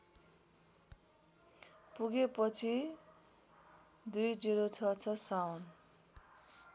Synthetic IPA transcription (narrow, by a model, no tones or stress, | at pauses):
puɡepʌt͡sʰi | d̪ujd͡ziɾot͡sʰʌt͡sʰʌsawn